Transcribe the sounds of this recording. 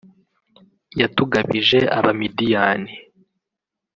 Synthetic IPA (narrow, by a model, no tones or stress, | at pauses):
jatuɡaβiʒe̞ʔa̰βamidijaːni